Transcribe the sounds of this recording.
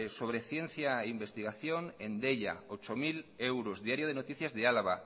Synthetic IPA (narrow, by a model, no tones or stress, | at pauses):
soβ̞ɾeθjen̟θjaeimbest̪iɣ̞aθjoŋend̪eʎa̰ot͡ʃomilewɾozðiaɾjoð̞enot̪iθjazðealaβa